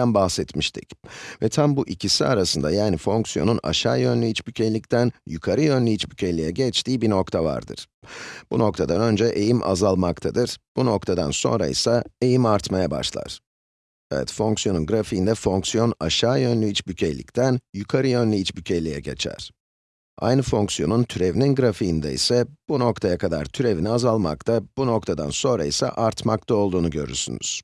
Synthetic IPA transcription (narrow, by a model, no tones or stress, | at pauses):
ænbaxsɛt̪miʃt̪ʰḭcvɛt̪ʰambuʔicʰisiaɾasɯnd̪ajaːnifo̞ŋksijo̞̰nuna̰ʃaːjø̞nlʲiit͡ʃbycʰelʲict̪ʰænjukʰaɾɯjønlʲejit͡ʃbycʰelʲijɛɟɛt͡ʃt̪ʰiːbino̞kt̪ʰava̰ɾd̪ɯ̰ɾ̥b̥uno̞k̚t̪ʰad̪anø̞nd͡ʒɛʔe̞jimʔa̰zalˠmak̚t̪ʰad̪ɯɾ̥b̥uno̞kt̪ʰad̪a̰nso̞̰nɾa̰ḭsae̞jimaɾt̪majaba̰ʃlˠa̰ɾ̥ | ɛvɛ̰t̪fo̞ŋksjo̞nunɡɾafiːnd̪ɛfo̞ŋksijo̞naʃaːjø̞nlʲyit͡ʃbycʰelʲḭct̪ʰænjukʰaɾɯjø̞nlʲiit͡ʃbycʰelʲijɛɟe̞̰t͡ʃʰæ̰ɾ̥ | a̰jnɯfo̞ŋksijo̞nunt̪ʰyɾevininɡɾafijːnd̪ɛḭsɛb̥uno̞kt̪ʰajakʰad̪a̰ɾt̪ʰyɾe̞viniazalˠma̰kt̪ʰab̥uno̞k̚t̪ʰad̪a̰nso̞nɾa̰isa̰ʔaɾt̪makt̪ʰao̞lˠd̪uːnuɟø̞ɾy̰ɾsy̰ny̰z̥